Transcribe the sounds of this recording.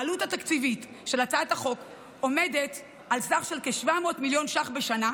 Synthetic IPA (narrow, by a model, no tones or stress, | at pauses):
luthatakt͡sivit | ʃe̞lat͡saataχo̞k | o̞me̞det | alsaχʃe̞lkeʃvamo̞ːtmiljo̞nʃaχbeʃana